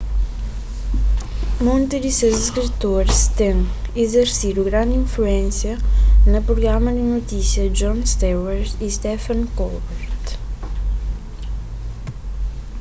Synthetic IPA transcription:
mõnt̪ɪzd̪isewziskɾit̪oɾst̪ẽŋizeɾsid̪uɣɾãnd̪ĩfluẽnsjɐnɐpɾuɣɾamɐd̪ɪnot̪isjɐd͡ʒɔ̃nst̪ɛwɛɾist̪ɛfɐ̃nkɔlbɛɾt̪

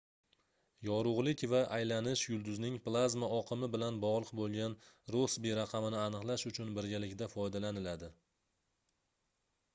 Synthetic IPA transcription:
jɒɾʊʁlˠɪkʲvaʔajlanɪʃjʊlˠd̪ʊznɪŋplˠazmaɒqʰɨmɪbɪlanbɒʁlˠɨqbolˠɡʲanɾosbeɾaqʰɑmɪnɪanɨqlˠaʃʊt͡ʃʰʊnbɪɾɡʲalɪkʲd̪afɒjd̪alanɪlad̪ɪ

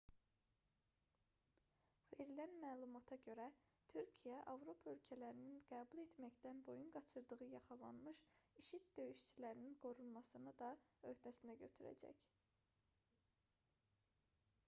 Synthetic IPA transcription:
v̥e̞ɾilænmæːlˠumɑt̪ʰɑɟø̞ɾæ | t̪ʰyɾcʰijæʔɑvɾo̞pʰɑølcʰælæɾininɡ̥æːbulˠe̞t̪mæçd̪ænbo̞junɡɑt͡ʃʰɯɾd̪ɯʁɯjɑχɑlˠɑnmɯʃiʃit̪̚d̪ø̞jyʃt͡ʃilæɾininɡo̞ɾulˠmɑsɯnɯd̪ɑø̞ht̪ʰæsind̪æɟø̞t̪ʰyɾæ̰d͡ʒæ̰c

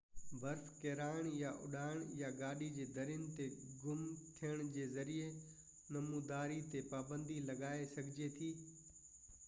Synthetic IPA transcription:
bʱɐɾfkeːɾaːɪɽ̃jaʔʊ̰ɗaːɪɽ̃jaɡaːɗid͡ʑeːd̪ʱɐɾjʊnɪ̆t̪eɡʊmt̪ʰijəɽ̃d͡ʑeːzɐɾie | nɐmuːd̪aːɾit̪epaːbə̃nd̪ilɐɡaːesɐɡʱɪd͡ʑet̪ʰiː

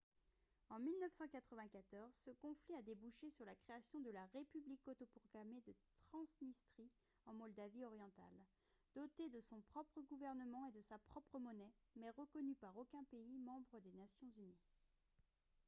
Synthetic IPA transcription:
ɑ̃milnəfsɑ̃kat̪χəvɛ̃kat̪ɔʁzsəkɔ̃fliad̪ebuʃesyʁlakχeasjɔ̃d̪əlaʁepyblikɔt̪ɔpɔʁɡamed̪ət̪χɑ̃snist̪χi | ɑ̃mɔld̪aviɔʁjɑ̃t̪a̰l | d̪ɔt̪ed̪əsɔ̃pχɔpχəɡuvɛʁnəmɑ̃ed̪əsapχɔpχəmɔnɛmɛʁəkɔnypaʁokʲɛ̃peimɑ̃bʁəd̪enasjɔ̃zyni

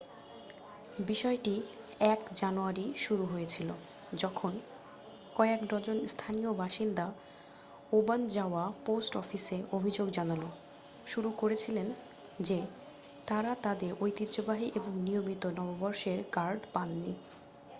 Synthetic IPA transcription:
biʃɔeʈi | ɛkd͡ʑanuaɾiʃuɾuɦojet͡ɕʰilo | d͡ʑɔkʰon | kɔeekd̪ɔd͡ʑonst̪ʰaniobaʃind̪a | oband͡ʑaoaposʈɔfiseobʱid͡ʑoɡd͡ʑanalo | ʃuɾukoɾet͡ɕʰilen | d͡ʑe | t̪aɾat̪ad̪eɾojt̪it̪ːd͡ʑobaɦiʔeboŋniomit̪onɔbobɔɾʃeɾkaɾɖpanːi

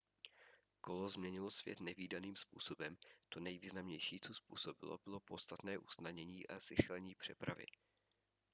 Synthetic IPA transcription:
ko̞lo̞zmɲɛɲɪlosvjɛ̰t̪nɛviːdaniːmspṵːso̞bɛmt̪onɛjviːznamɲɛjʃiːt͡sospṵːso̞bɪ̰lo̰bɪlo̞po̞tst̪at̪nɛːʔusnadɲɛɲiːʔazɪxlɛɲiːpr̝̥ɛpɾa̰vɪ̰

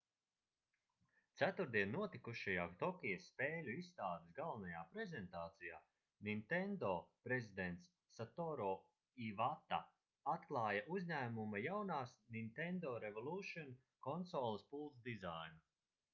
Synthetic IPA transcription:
t̪sæt̪uɾd̪iɛnːuɔt̪ikuʃajaːt̪ɔkʲijɐsːpeːlʲuisːt̪aːd̪isɡalˠvnajaːpɾɛzent̪aːt̪sijaː | nint̪end̪ɔːpɾezid̪ɛnt̪sːat̪ɔɾɔː | ivat̪a̰ | at̪klˠɑːjaʔuzɲæːmumajawnaːsnint̪end̪ɔːɾevɔlˠuːʃɔn | kɔnsɔːlˠispulˠt̪zd̪izajnu

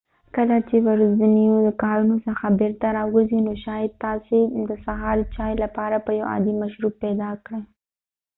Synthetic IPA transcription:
kəlat͡ʃewaɾzanijod̪əkɑɾunosəxabeɾt̪aɾɑɡəzinoʃɑjɪd̪̚t̪ɑsed̪əsaɦɑɾt͡ʃɑjlapɑɾapəja̰wɑ̰d̪imaʃɾupːɛd̪ɑkɽe

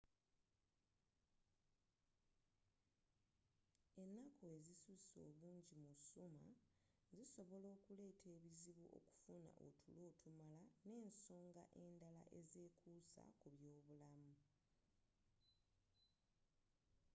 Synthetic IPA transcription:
e̞nːakʰo̞e̞zisuso̞̰ːβuːɲɟimusuma̰ziso̞βo̞lo̞ːkule̞ːtʰe̞ːβiziβuʔo̞̰ku̥funa̰ʔo̰tʰulo̞ːtʰumalane̞ːnso̞ːŋɡaʔe̞ːndala̰ʔe̞ze̞ːkʰuːsa̰kuβjo̞ːβulamu

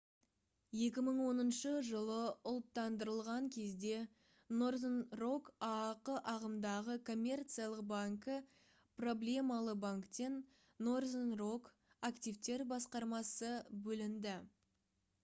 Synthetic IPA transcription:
je̞kʲɪməɴwo̞nənʃəʒəlˠəʊlˠt̪ːɑnd̪əɾəlˠʁɑŋkʲʰe̞zd̪e̞ | no̞rznro̞kɑqəʔɑʁəmd̪ɑʁəkʰo̞mʲːe̞rt̪sijalˠəqbaŋkə | pro̞blʲe̞mɑlˠəbaŋkt̪e̞nː | orznro̞k | akt̪ijft̪e̞ɾbɑsqɑɾmɑsəbɵlɪnd̪ɪ

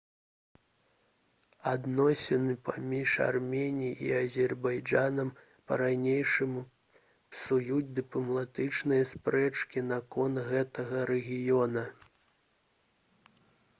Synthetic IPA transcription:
ad̪nɔsʲɛnɨpamʲiʂa̰rmʲenʲijiʔḭɐzʲɛrbajd͡ʐanɐm | pɐɾajnʲejʂɨmu | sujud͡zʲd̪ɨplˠɐmlˠat̪ɨt͡ʂnɨjɐspɾɛt͡ʂkʲinɐkɔnt̪ɣɛt̪ɐɣɐɾɛɣʲijɔnɐ

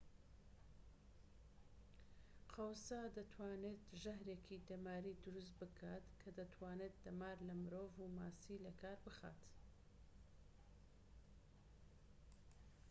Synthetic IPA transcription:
qʰɐwsaːd̪ɐt̪ʰwaːneːt̪ʒɐhɾeːkʰid̪ɐmaːɾiːd̪ʊɾʊs̬t̪̚bɨkʰat̪kʰɐd̪ɐt̪ʰwaːnet̪̚d̪ɐmaːɾlɐmɨɾoːvumaːsiːlɐkʰaːɾbɨxa̰ːt̪

